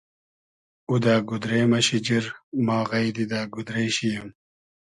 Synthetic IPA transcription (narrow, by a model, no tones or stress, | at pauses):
ud̪aːɡud̪ɾeːmɐɕid͡ʑiɾmaːɣɐjd̪id̪aːɡud̪ɾeːɕijɐm